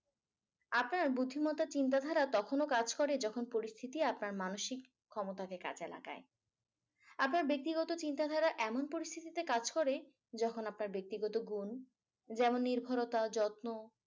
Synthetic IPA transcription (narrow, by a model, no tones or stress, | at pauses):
apnaɾbud̪ʱimɔt̪at͡ɕint̪̬ad̪ʱaɾat̪ɔkʰonokad͡ʑkɔɾed͡ʑɔkʰonpoɾist̪ʰit̪iapnaɾmanoʃikʰːɔmot̪akeka̰d͡ʑela̰ka̰e | apnaɾbek̚t̪iɡɔt̪ot͡ɕint̪ad̪ʱaɾaʔɛmonpoɾist̪ʰit̪it̪ekad͡ʑkɔɾe | d͡ʑɔkʰonapnaɾbek̚t̪iɡɔt̪oɡun | d͡ʑɛmonːiɾbʱaɾot̪ad͡ʑɔt̪mo